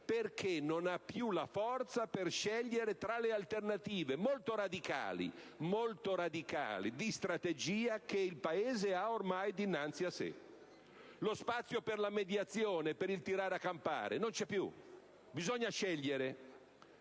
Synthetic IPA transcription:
perkʰenonapːjulafɔrt̪saperʃɛʎːeɾet̪ɾalealt̪ernat̪iːvemolt̪oɾad̪ika̰ːlḭ | molt̪oɾad̪ika̰ːlḭd̪ist̪ɾat̪ed͡ʒiːakeilpaeːzeaormajd̪inːant̪siasːḛ | lospat̪sːjoperlamed̪jat̪sːjoːnepeɾilt̪iɾaːɾakːampa̰ːɾḛnont͡ʃɛpːjṵ | bizoɲːaʃɛʎːeɾe

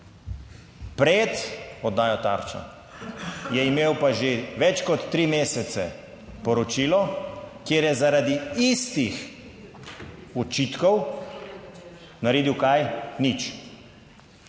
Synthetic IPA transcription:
pɾet̪ɔd̪ːaːjɔt̪a̰ɾt͡ʃa̰ | jɛimeːwpaʒeʋɛt͡ʃkɔt̪ːɾiːmeːsɛt̪sɛ̰ | pɔɾɔt͡ʃiːlɔkjeːɾjɛzaɾad̪iist̪ix | ɔt͡ʃiːt̪kɔw | naɾeːd̪iwkajnit͡ʃ

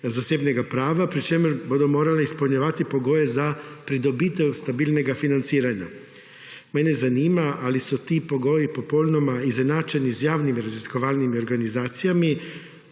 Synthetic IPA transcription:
zasebneɡapɾaːʋapɾit͡ʃemɛɾbod̪omoːɾaleispulɲaʋat̪ipo̞ɡojezapɾid̪obit̪ewst̪abiːlneɡafinant̪siːɾaɲa̰ | menezaniːmaʔalisut̪ipo̞ɡojipo̞poːlʲnomaizenat͡ʃenizjaːʋnimiɾaziskoʋalnimio̞ɾɡanizaːt̪sijami

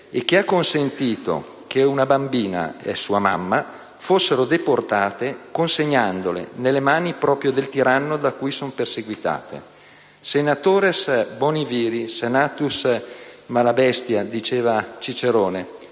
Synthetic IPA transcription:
ek̟ːeakːonsent̪iːt̪o̰ | k̟eunabambiːna̰ḛsuːama̰mːa | fosːeɾod̪eport̪aːt̪ekonseɲːand̪olḛnelːemaːnipɾɔːpɾjod̪elt̪iɾanːod̪akːuːjsomperseɡwit̪a̰ːt̪ḛ | senat̪oːɾesboniviːɾisenaːt̪us | malabɛst̪jad̪it͡ʃeːvat͡ʃit͡ʃeɾoːne

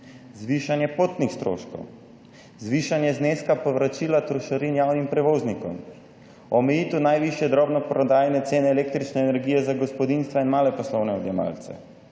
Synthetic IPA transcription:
zʋiʃanjɛpot̪nixst̪ɾo̰ːʃko̰w | zʋiːʃanjɛzneːskapɔʋɾat͡ʃiːlat̪ɾɔʃaɾinjawnimpɾɛʋoːznikɔ̰m | ɔmɛjiːt̪unajʋiʃjɛd̪ɾɔbnɔpɾɔd̪aːjnɛt̪seːnɛːleːk̚t̪ɾit͡ʃnɛːnɛɾɡiːjɛzaɡɔspɔd̪inst̪ʋainmaːlɛpɔslɔwnɛɔd̪jɛma̰lt̪sɛ̰

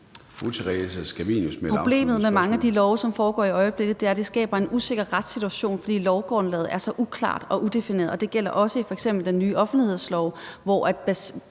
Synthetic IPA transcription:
fut͡sʰeʁɛsæsɡ̥æʋinusmeʁob̥le̝̰ːmð̩ˠmemɑ̈ŋəæd̥ilɒʊsɒ̽mfɒːɡ̥ɒ̰ːiɒ̽ɪəb̥le̝ɡ̥ð̩ˠd̥e̝æɐd̥e̝sɡ̥ɛ̰ːb̥ɐe̝nuse̝ɡ̥ɐʁad̥sit͡sʰuæɕo̝̰ːnfɒ̽d̥ḭːlɒʊɡ̥ʁɔnlɛːð̩ˠæɐsɒ̽ʔukʰlɑ̰̈ːd̥ɒ̽ʔud̥e̝fine̝̰ːɐð̩ˠɒ̽d̥e̝ɡ̥el̰ɐ̰ʔɒ̽səifɒ̽eɡ̥semb̥l̩d̥enːyːʔɒ̽fn̩d̥lihe̝ð̞̰ˠslɒʊʋɒʔæd̥̚b̥æs

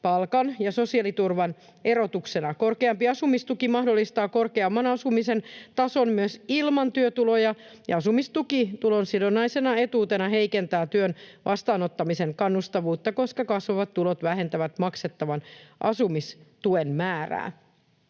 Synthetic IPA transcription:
pɑlkɑnjɑso̞siɑlit̪urʋɑn | e̞ɾo̞t̪uksenɑkorkeɑmpiɑsumist̪ukimɑhdolːist̪ɑːkorkeɑmːɑnɑsumisent̪ɑsonmyøsilmɑnt̪yøt̪ulojɑjɑɑsumist̪ukit̪ulonsidonːɑisenɑet̪uːt̪enɑɦeikent̪æːt̪yønʋʔɑst̪ɑːnot̪ːɑmiseŋkɑnːust̪ɑʋuːt̪ːɑko̞skɑkɑsʋoʋɑt̪t̪ːulot̪ʋæhe̞nt̪æʋæt̪mɑkset̪ːɑʋɑnʔɑ̰sumist̪uenmæːræ̰ː

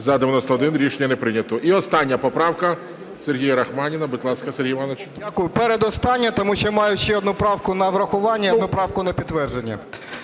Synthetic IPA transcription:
zɐd̪eʋʲjɐnɔst̪ɐɔd̪ɪnɾʲiʃenʲːɐnepɾɪnʲɐt̪ɔʔiɔst̪ɑnʲːɐpɔpɾɑwkɐ | serɦʲijɐɾɐxmɑnʲɪnɐbɪt̪lˠɑskɐseɾʲɦijʋɑnɐt͡ʃʲdʲakʊjʊpɛɾed̪ɔst̪ɑnʲːɐt̪ɔmuʃt͡ʃɔmɑjʊʃt͡ʃɛɔd̪nupɾɑwkʊnɐʋɾɐxʊʋɑnʲːɐnupɾɑwkʊnɐpʲid̪t̪ːʋɛrʒenʲːɐ̰

